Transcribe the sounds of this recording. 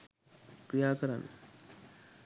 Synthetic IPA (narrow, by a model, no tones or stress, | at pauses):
kɾijaːkəɾan